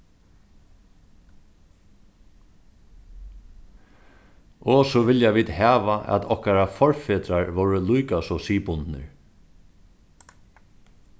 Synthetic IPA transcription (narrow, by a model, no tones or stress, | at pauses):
ɔsɔʋɪljaʋiːd̪hæːʋaʔæ̰t̪ɔhkaɾafɔɹfeːt̪ɾaɹʋɔwɹəlujkasɔsiːpʊnt̪nə̰ɹ